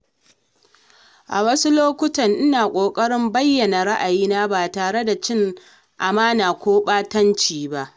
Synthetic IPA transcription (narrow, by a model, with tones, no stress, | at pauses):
ʔa˨wɐ˦su˦loː˦kʷʊ˦tɐ˨ŋʔɪ˦naː˨kʷʼoː˨kʼɐ˦ɽɪ˦mbɐ˦jːɐ˨na˨ɽa˦ʔa˨jiː˦na˦baː˨taː˨ɽe˦da˨t͡ʃɪ˦ŋ | ʔa˨maː˦naː˨kʷoː˦ɓaː˦tɐ˦nt͡ʃiː˨ba˦ʔ